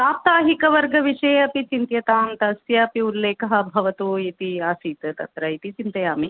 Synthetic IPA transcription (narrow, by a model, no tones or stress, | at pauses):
aːp̚t̪aːɦikɐʋɐɾɡɐʋiʂeːɐpit͡ʃint̪jɐt̪aːmt̪ɐsjɐːpiulːeːkɐɦɐbʱɐʋɐt̪uːit̪iaːsiːt̪ɐt̪ɐ̰t̪ɾɐit̪it͡ʃint̪ɐjaːmi